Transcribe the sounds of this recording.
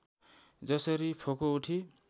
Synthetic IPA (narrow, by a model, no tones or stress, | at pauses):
d͡zʌsʌɾipʰokouʈʰi